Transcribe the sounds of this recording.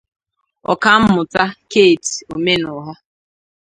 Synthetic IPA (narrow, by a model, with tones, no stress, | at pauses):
ɔ̰˨ka˦m̩˦mʊ˨ta˦ke˦˨ti˨o˨me˦nʊ˨ɦɔ˦